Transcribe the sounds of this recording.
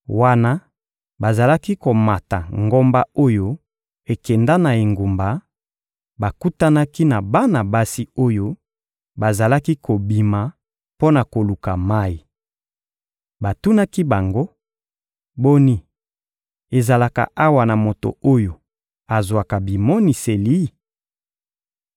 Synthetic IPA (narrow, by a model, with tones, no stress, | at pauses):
wa˦na˦ | ba˨za˨la˦ki˦ko˨ma˨ta˨ŋɡo˦mba˦o˦jo˦ | e˨kɛ˨nda˦na˨e˨ŋɡu˨mba˨ | ba˨ku˦ta˦na˦ki˦na˨ba˦na˨ba˦si˦o˦jo˦ | ba˨za˨la˦ki˦ko˨bi˨ma˨ | po˦na˨ko˨lu˨ka˨ma˦i˨ | ba˨tu˦na˦ki˦ba˨ŋɡo˦ | bo˦ni˦ | e˨za˨la˨ka̰˨ʔa˦wa˨na˨mo˨to̰˨o˦jo˨ | a˨zwa˨ka˨bi˨mɔ˦ni˨se˨li˦